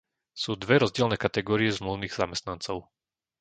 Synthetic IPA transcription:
suːd̪ʋɛɾɔzɟɪɛlnɛːkat̪ɛɡɔːɾiɛzmluʊniːɣz̥a̰mɛst̪nant͡sɔʊ

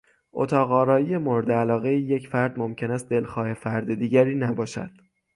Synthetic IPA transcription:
ʔo̰t̪ʰɒːɣɒːɾɒːjijemo̞ɾed̪eælɒːɣe̞iːjecfæɾd̪momcʰe̞næst̪̚d̪e̞lxɒːhe̞fæɾd̪ed̪iːɟæɾiːnæbɒːʃæ̰d̪̥

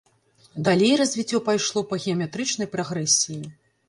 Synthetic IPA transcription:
d̪alʲejrɐzʲvʲit͡sʲːɔpajʂlˠɔpɐɣʲɛɐmʲɛt̪ɾɨt͡ʂnɐjpɾaɣɾɛsʲiji

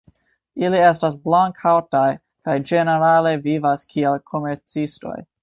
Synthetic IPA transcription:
ilie̞stasblaŋkʰawtaj | kajd͡ʒe̞ne̞ɾale̞vivaskʰielkʰo̞me̞ɾt͡sisto̞̰j

